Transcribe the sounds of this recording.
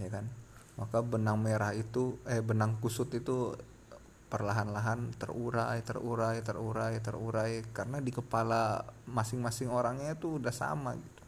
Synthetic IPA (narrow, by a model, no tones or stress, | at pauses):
jakanmakabənaŋmeɾahit̪uɛbənaŋkusʊt̪it̪u | pərlaɦanlaɦant̪ə̰ruɾajt̪ə̰ruɾajt̪əɾuɾajt̪əruɾajkaɾənadikəpalamasɪŋmasɪŋoɾaŋɲat̪uːdahsa̰ma̰ɡit̪u̥